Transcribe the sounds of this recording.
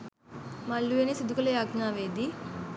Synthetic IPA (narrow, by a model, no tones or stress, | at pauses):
mɐlːuenisud̪ukɐlɐjaːɡnaːʋeːd̪i